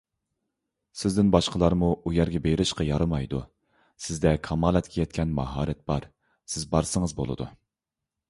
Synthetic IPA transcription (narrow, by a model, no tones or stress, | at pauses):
sɪzd̪ɪnbɑʃqəlˠɑɾmuujɛɾɡʲɛbeɾɪʃqɑjɑɾɨmɑjd̪ṵ | sɪzd̪ɛkʰɑmɑːlˠɛt̪kʲʰɛjɛt̪̚kʲɛnmɑɦɑ̰ːɾɛt̪̚bɑɾ | sɪzbɑɾsəŋəzbo̰lˠɨ̰d̪ṵ